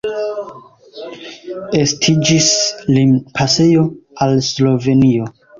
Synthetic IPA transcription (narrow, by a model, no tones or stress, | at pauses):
e̞stʰid͡ʒislinpʰase̞jo̞alslo̞ve̞nio̞